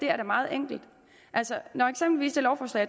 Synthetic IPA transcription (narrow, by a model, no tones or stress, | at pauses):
d̥e̝æɐɾ̥ɑ̈mɑ̈ːð̞̩ˠeŋ̰ɡ̥l̩d̥ | ʔælsənɒe̥sem̰b̥l̩ʋḭːsd̥e̝lɒʊfɒːslɛ̰ː